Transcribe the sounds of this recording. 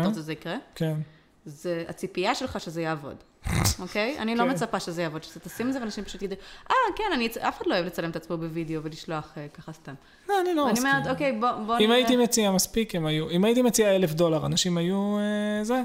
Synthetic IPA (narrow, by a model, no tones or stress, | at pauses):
ezeikʁeken | zea̰t͡sipiaʃe̞lχaʃe̞zejaːvo̞̰d | ʔo̞ke̞ja̰nilo̞met͡sapaʃezejavo̞d̪ʃe̥zt̪asimlzevanaʃimpaʃut̪ɡid̪uʔakenanit͡safe̥χadloevlet͡salemet̪at͡smobevideo̞veliʃlo̞aχekaχast̪am | oaniloanimamet̪oke̞jbobboimajitimet͡siamaspikemajuimajit̪imet͡siaelefd̪o̞laʁanaʃimajueze